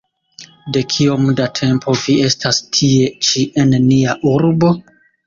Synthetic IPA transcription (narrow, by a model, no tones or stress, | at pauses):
de̞kʰio̞mdatʰe̞mpʰo̞vie̞stʰastʰie̞t͡ʃiʔenniaʔuɾbo̞